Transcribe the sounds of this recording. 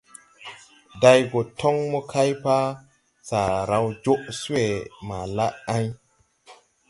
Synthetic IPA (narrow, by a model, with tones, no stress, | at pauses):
da˨jɡo˨tʰo˦ŋmɔ˦kʰa˦jpa˦ | sa˨ɾa˨˦wd͡ʒo˦ʔsu˦e˨ma˨la˦a˦ɲ